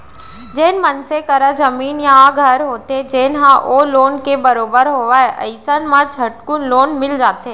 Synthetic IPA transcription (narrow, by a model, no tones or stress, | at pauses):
d͡ʒeːnmɐnsekɐɾazɐmiːnjaɦãɡʱɐɾɦoːt̪ed͡ʒeːnɦãʔoloːnkebɐɾoːbəɾɦoːʋaːeʔɐɪsənmãt͡ʃʰɐʈkʊnloːnmɪld͡ʒaːt̪eː